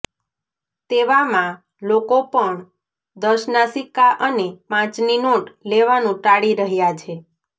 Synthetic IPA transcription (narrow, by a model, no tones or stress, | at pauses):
t̪eʋamã | lokopəɳ | d̪əʃnasikaʔənepãt͡ʃninoʈleʋanũʈaɽiɾəɦjat͡ʃʰe